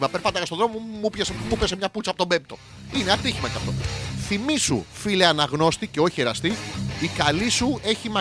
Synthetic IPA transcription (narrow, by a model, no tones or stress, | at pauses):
mɐpe̞ɾpɐɐɣɐsto̞ðɾo̞momupçesemupesemɲɐput͡sɐpot̪obe̞mp̚t̪o̞ | ineɐt̪içimɐceɐft̪o̞̰θimisṵfileɐnɐɣno̞st̪ice̞o̞çieɾɐst̪iikɐlisue̞çimɐ